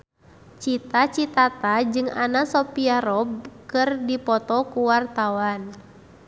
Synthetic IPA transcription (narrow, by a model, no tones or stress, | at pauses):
t͡ʃit̪at͡ʃit̪at̪ad͡ʒɨŋanasɔpiaɾɔb̚kɨrdipɔt̪ɔkuwart̪awan